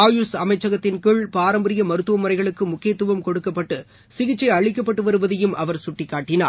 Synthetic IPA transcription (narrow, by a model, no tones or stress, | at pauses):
aːjusɐmɐɪt͡ʃːɐɣɐt̪ːɪnkɯɭpaːɾɐmbɐɾɪjɐmɐɾɯt̪ːɯʋɐmɐɾɐɪɣɐɭɯkːɯmʊkːeːt̪ːɯʋɐmkɔɽɯkːɐpːɐʈːɯ | sɪɣɪt͡ʃːɐɪɐɭɪkːɐpːɐʈːɯʋɐɾɯʋɐðɐjɯmʔɐʋɐɾsʊʈːɪkːaːʈːɪna̰ː